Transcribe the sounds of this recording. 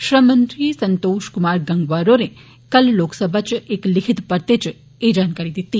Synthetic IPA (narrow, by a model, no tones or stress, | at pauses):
ʃɾəmə̃nt̪ɾisənt̪oʃkumaɾɡə̃ŋɡʋaɾone | kəlloksəbʱat͡ʃeklikʰit̪pəɾt̪et͡ʃ | ed͡ʒankəɾid̪it̪ːi